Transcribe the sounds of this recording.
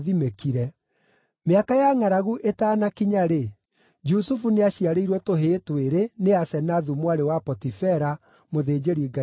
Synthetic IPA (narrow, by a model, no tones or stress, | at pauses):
ðimekiɾɛ | meakajaŋaɾaɣuʔetaːnakiɲaɾe | d͡ʒusufuneaɕiaɾeiɾwɔtoɦeːtweɾeneasɛnaðumwaɾewapɔtifɛɾa | moðeːd͡ʒeɾiɡa